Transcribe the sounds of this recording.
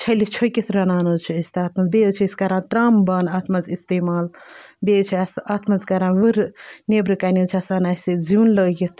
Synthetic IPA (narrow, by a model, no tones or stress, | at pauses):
t͡ʃʰɐlit͡ʃʰokʲit̪ʰɾɐnaːnɐzt͡ʃʰiist̪aːt̪ʰmɐzbeɨt͡ʃʰiiskɐɾãːt̪ɾaːmbɐnaːt̪ʰmɐzist̪eːmaːlbet͡ʃʰiɐsaːt̪ʰmɐzkɐɾãːʋɨɾnebɾɨkaːnit͡ʃʰasanaːsid͡ziːnləɡit̪ʰ